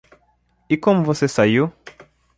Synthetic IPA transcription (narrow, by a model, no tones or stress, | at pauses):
ikɔm̩vɔsɛsaju